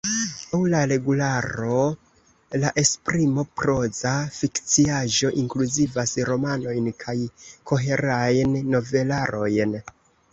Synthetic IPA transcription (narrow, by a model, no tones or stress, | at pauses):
awlaɾe̞ɡulaɾo̞ | laʔe̞spɾimo̞pɾo̞zafikt͡siaʒo̞ʔiŋkluzivasɾo̞mano̞jnkʰajkʰo̞ɦe̞ɾajnːo̞ve̞laɾo̞jn